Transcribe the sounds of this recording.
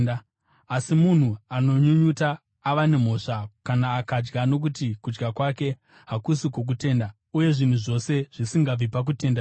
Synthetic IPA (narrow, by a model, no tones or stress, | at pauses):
asimun̤uano̞ɲuɲutaː | ʋane̞m̤o̞ːʂakanaːkad͡ʒɡano̞k̬utikud͡ʒɡakwake̞ | ɦakusikok̬ute̞ːnda | uje̞ʐin̤uʐo̞se̞ʐ̥isiŋɡab͡vipak̬ute̞nda